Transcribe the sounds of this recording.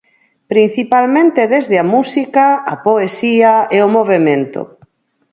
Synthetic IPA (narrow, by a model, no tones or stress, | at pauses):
pɾin̟θipalmẽnt̪eðezðɪamusikaɐ̰poesiɐeomoβ̞emẽnt̪o̰